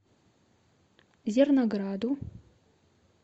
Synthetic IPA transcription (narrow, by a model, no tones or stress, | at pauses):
zʲernoɡradu